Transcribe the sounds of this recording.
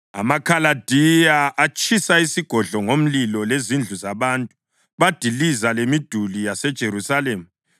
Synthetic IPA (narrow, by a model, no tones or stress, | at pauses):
a̰makʰalad̥ʱijaʔat͡ʃʼʰisaisiɡ̥ʱɔɮɔŋom̩lilɔlezind͡ɮʱuzaβaːntʼu̥ | βad̥ʱilizalemid̥ʱulijasɛd̥ʒ̥ʱeɾusaleːmu